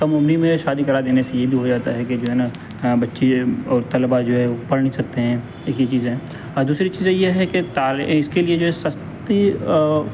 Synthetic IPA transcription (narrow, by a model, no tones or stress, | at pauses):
kɐmomnimẽʃaːd̪ikɐɾad̪eːnesejebʱiɦod͡ʒaːt̪aɦɛked͡ʒoːɦɛna | bɐtːʃeɔːɾt̪ɐlbad͡ʒoːɦɛʋopɐɽɳnisɐk̚t̪eɦɛ̃ː | eːkit͡ʃiːzɦɛ̃ː | d̪uːsɾit͡ʃiːzẽjeɦɛket̪aːɪskelied͡ʒoːɦɛsɐs | t̪i